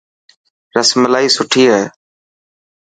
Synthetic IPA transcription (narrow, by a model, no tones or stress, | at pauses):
ɾəsməlaːiːsʊʈʰiːɦɛː